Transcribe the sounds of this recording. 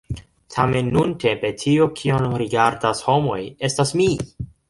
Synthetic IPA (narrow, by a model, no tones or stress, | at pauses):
tʰame̞nːuntʰe̞mpe̞tʰiokʰionɾiɡaɾdasho̞mo̞̰je̞stasmi